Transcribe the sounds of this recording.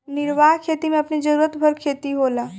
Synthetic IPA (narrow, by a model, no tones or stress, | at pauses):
nɪɾʋaːɦkʰeːt̪imẽɐpnid͡ʒɐɾuːɾət̪bʱɐɾkʰeːt̪iɦoːlaː